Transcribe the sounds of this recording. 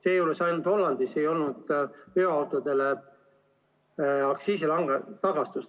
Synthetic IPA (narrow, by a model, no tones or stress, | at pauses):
se̞ːjuːlesɑjnut̪ho̞lːɑnd̪̥ise̞jo̞lnud̪̥pyɑwt̪ˑod̪̥e̞le | ɑksiːsilɑŋɡɑt̪ɑɡ̥ɑst̪ust̪